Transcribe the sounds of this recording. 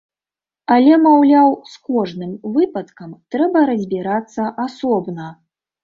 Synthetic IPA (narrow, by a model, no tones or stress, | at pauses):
ɐlʲɛmawlʲawskɔʐnɨmvɨpɐt̪kɐmt̪ɾɛbɐɾɐzʲbʲiɾat̪sːɐʔasɔbnɐ